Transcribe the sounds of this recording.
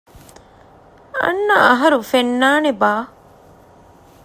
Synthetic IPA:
ɐ̰nːɐɐɦɐɾufenːaːnebaː

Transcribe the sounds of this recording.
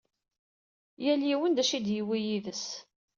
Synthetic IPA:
jæliwənd̪æʃid̪jiwijiðəs

